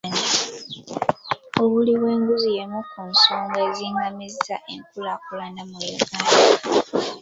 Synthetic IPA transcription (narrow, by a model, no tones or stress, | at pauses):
na | o̞βuliβwe̞ːŋɡuzijemukunsoːŋɡe̞ːziŋɡamizaʔeŋkulakulanamujuɡaːda